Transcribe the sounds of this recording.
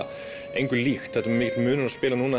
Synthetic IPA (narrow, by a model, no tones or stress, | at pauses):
ejŋkʏɾlixt̪θɛt̪mɪːcɪt̪mʏːnʏɾaðspɪːlanuːna